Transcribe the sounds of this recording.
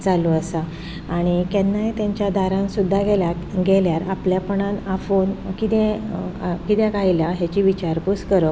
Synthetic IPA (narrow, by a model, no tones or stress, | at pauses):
t͡saluəsa | aːɽ̃ikɛnːaet̪ãɲt͡ɕjad̪ʱaɾãnsud̪ʱːaɡɛlja | ɡeljaɾapljapəɳãnafonkit̪ɛ̃ | kit̪jɛkajilaɦjat͡ɕiʋit͡ɕaɾpuskəɾə